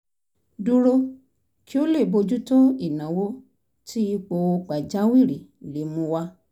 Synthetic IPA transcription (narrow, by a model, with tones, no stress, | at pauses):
du˧ɾo˧ | ki˦o˦le˦˨bo˧d͡ʒu˦to˦i˦˨nã˨˦wo˦ | ti˦i˧k͡po˧o˧k͡pa˨d͡ʒa˨˦wi˦˨ɾi˨le˨˦mũ˧wa˦